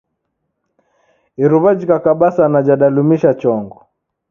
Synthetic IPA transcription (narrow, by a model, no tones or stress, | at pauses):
iɾuβad͡ʒikakaɓasanad͡ʒaɗalumiʃat͡ʃɔŋɡɔ